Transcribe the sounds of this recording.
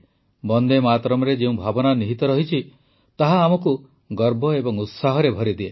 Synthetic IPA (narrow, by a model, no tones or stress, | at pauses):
bɔnd̪emat̪ɾɔmɔɾed͡ʒeũbʱabɔnaniɦit̪ɔɾɔɦit͡ʃʰi | t̪aɦaːmɔku | ɡɔɾbʱɔebɔŋut̪saɦɔɾebʱɔɾid̪ie